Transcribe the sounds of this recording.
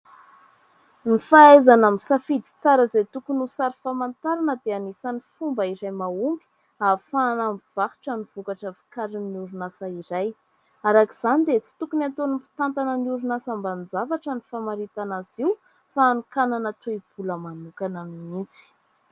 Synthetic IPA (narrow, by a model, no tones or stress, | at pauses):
nifaezanamisafid̪i̥t͡saɾəzet̪ukunusaɾifamant̪aɾanəd̪eanisanifumbəiɾajmauŋɡi̥ | afanambiv̥ahi̥ʈ͡ʂəniv̥ukaʈ͡ʂəvi̥kaɾinnːiuɾunasəiɾaj | aɾakiz̥anid̪et͡si̥t̪ukunat̪onimpi̥t̪ant̪anəniuɾunasamband͡zavaʈ͡ʂənifamaɾit̪anaziw | faːnukananat̪eib̥uləmanukanamiint͡si̥